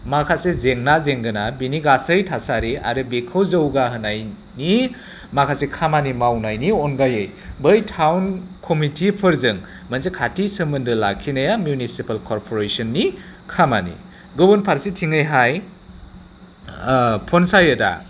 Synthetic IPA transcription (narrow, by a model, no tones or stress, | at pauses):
makʰasezeŋnazeŋɡɯnabiniɡasəjtʰasaɾia̰ɾɯbekʰɯwzəwɡaɦɯnaj | ni | makʰasekʰamanimawnajniɔnɡajɯj | bɯjtʰawnkʰomitʰipʰɯɾzɯŋ | mənsekʰatʰisəmɯndɯla̰kʰinajamjunisipalkʰɔɾpʰoɾesɯnːikʰamanḭ | ɡobunpʰaɾsitʰiŋɯjɦaj | pʰɔnsajɯda̰